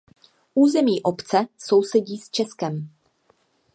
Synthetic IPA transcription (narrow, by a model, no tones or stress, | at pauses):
ʔuːzɛmiːʔopt͡sɛso̞wsɛɟiːst͡ʃɛskɛm